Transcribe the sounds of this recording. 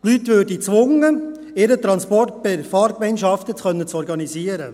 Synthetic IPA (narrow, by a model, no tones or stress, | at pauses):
tlytʋøːɾdit͡sʋʊŋə | eɾətɾɑnspɔrt̚pɪɾfɑːɾkmɛɪnʃɑftət͡sxœnːət͡sɔɾɡɑniziːəɾə